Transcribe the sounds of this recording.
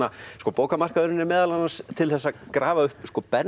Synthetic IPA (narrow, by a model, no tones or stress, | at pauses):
askɔːpoːwkamar̥kaðʏnɪnɪmɛːðalanːanst̪ʰɪlθɛsːakɾaːvaʏhpskɔːpɛn